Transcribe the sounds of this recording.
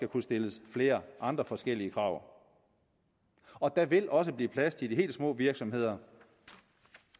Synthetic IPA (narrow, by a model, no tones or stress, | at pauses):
ɡ̥ækʰusd̥e̝ləsfle̝ːɐʔɑ̈nd̥ʁɐfɒ̽sɡ̥el̰iəkʰʁɑ̈ʊ̰ | ɒ̽d̥æʋe̝lʔɒ̽səb̥liːpʰlæst͡sʰe̝d̥iɦe̝̰ːld̥smɔ̰ːʋiɐɡ̥sɒ̽mɦe̝ð̞̰ˠɐ